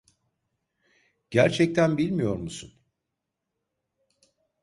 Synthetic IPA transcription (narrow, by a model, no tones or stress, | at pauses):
ɟ̥æɾt͡ʃʰɛc̚t̪ʰænbilʲmijo̞ɾmusun